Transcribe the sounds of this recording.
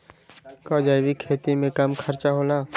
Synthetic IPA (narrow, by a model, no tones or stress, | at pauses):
kɔːd͡ʒaːʋikʰeːt̪imẽkɐmkʰəɾt͡ʃaɦoːlaː